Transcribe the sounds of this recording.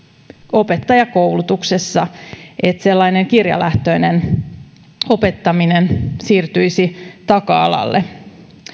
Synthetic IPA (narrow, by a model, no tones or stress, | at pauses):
o̞pet̪ːɑjɑkoulut̪uksesːɑʔet̪selːɑineŋkirjɑ̰lʔæht̪oinen | o̞pet̪ːɑminensiːrt̪yjsit̪ɑkɑɑ̰lɑ̰lːe